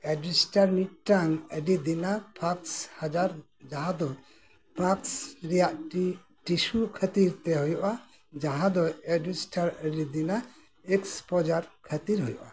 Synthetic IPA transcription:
ɛɖisʈaɾmiʈʈaŋəɖid̪inapʰakshad͡ʒaɾ | d͡ʒaɦãd̪ɔ | paksɾijaʔʈi | ʈisukʰət̪iɾt̪ɛɦɔjɔʔa | d͡ʒaɦãd̪ɔɛɖisʈaɾəɖid̪ina | ekspɔd͡ʒaɾkʰət̪iɾɦɔjɔʔa

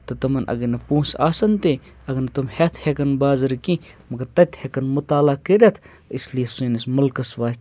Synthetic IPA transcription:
t̪ɐt̪ɐmɐnʔɐ̰ɡɐnɐpũːsa̰ːsɐnt̪e | ɐɡɐnɐt̪umhet̪ʰhekɐnbaːzɨɾkĩ | mɐɡɐɾt̪ɐt̪hekɐnmʊt̪aːlakɐɾʲet̪ʰ | islijɐsuːnɐsmɐlkɐsʋaːsʲt̪

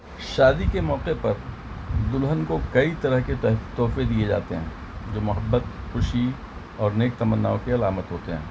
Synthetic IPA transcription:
ʃaːd̪ikemɔːqepɐɾ | d̪ʊlɦənkokɐit̪ɐɾəɦket̪ɔːfed̪ied͡ʒa̰ːt̪eɦɛ̃ː | d͡ʒoːmʊɦəbːət̪xʊʃi | ɔːɾneːk̚t̪ɐmənːaːõkeɐlaːmət̪ɦoːt̪eɦɛ̰̃ː

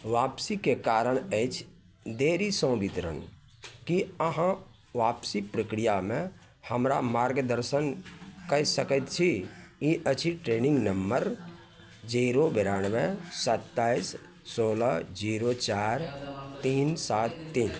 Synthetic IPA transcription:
ʋapsikekaɾəɽ̃əɪt͡ʃʰ | d̪eɾisə̃bit̪ɾə̰n | kiəɦã | ʋapsipɾəkɾijamẽ | həmɾamaɾɡd̪əɾsənkəɦsəkət̪t͡ʃʰijiʔət͡ʃʰiʈɾenĩŋɡnəmbəɾ | d͡ʒiɾobeɾanʋesət̪ːaisː | oːləd͡ʒiɾot͡ʃaɾt̪insat̪ːiːn

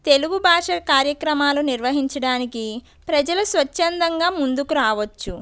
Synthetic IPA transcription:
t̪e̞luɡubʱaːʂɐkaːɾjɐkɾɐmaːluniɾʋɐɦiɲt͡ʃɐɽaːniki | pɾɐd͡ʒɐlɐsʋɐt͡ʃːɐnd̪ɐŋɡaːmund̪ukuɾaːʋɐt͡ʃːu

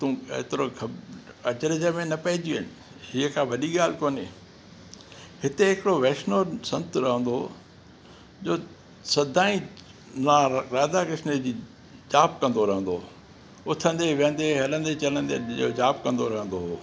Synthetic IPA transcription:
t̪ũːḛt̪ɪɾoɡʰɐd͡ʑəɾd͡ʑəmẽnɐpɐɦɪd͡ʑiɪnɪ̆ | hiːəkʰãʋɐɗiɡaːl̤ɪkoːne | hɪt̪eɪkɪɽoʋeːʃnosɐ̃nt̪ɾɐɦə̃nd̪o | d͡ʑoː | sɐd̪ʱaːĩ | naɾaːd̪akɪsned͡ʑiː | d͡ʑaːp̚kɐ̃nd̪oɾɐɦə̃nd̪o | ʊt̪ʰə̃nd̪eʋə̃nd̪eɦɐlə̃nd̪et͡ɕɐlə̃nd̪eo̰ːd͡ʑaːp̚kɐ̃nd̪oɾɐɦə̃nd̪oɦoː

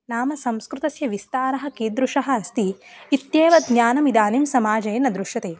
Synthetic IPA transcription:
naːmɐsɐmskɾut̪ɐsjɐʋist̪aːɾɐɦɐ̆kiːd̪ɾuʂɐɦɐːst̪iːt̪jeːʋɐd̪nɲaːnɐmid̪aːnimsɐmaːd͡ʒɐjɐnɐd̪ɾuʃjɐt̪eː

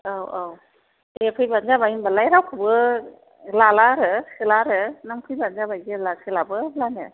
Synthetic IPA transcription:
awaw | epʰɯjbanzabajinbalajɾawkʰɯbɯ | lalaɾɯkʰɯlaɾɯnaŋpʰɯjbanzabajɡilakʰɯlabɯlanɯ̰

